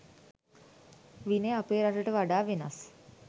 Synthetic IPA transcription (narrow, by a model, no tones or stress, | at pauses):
ʋineapeːɾaʈəʈəʋaɖaːʋenas